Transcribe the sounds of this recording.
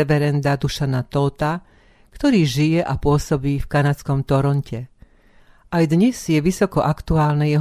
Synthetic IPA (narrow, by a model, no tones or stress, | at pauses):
ɛʋɛɾɛnd̪ad̪uʃanat̪ɔlt̪a | kt̪ɔɾiːʒijɛʔapʊɔsɔbiːfkanat͡skɔmt̪ɔɾɔncɛ | ʔajd̪ɲɛz̥jɛʋisɔkɔʔakt̪uaːlnɛjɛɦ